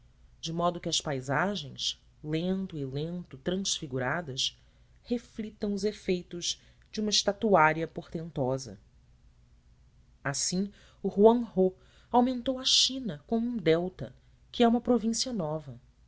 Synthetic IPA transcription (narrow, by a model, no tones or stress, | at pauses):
d͡ʒɪmɔd̪ʊkɪɐspajzaʒẽj̃s | lẽnt̪ʊilẽnt̪ʊt̪ɾɐ̃sfiɡuɾad̪ɐs | heflit̪ɐ̃w̃ʊzefejt̪ʊz̥ | d͡ʒɪũmɐɪʃt̪at̪uaɾiɐpoɾt̪ẽnt̪ɔzɐ̰ | asĩ | uhuɐ̃ho | awmẽnt̪owɐʃĩnɐkõmʊũd̪ɛwt̪ɐ̰ | kɪɛũmɐpɾovĩsiɐnɔvɐ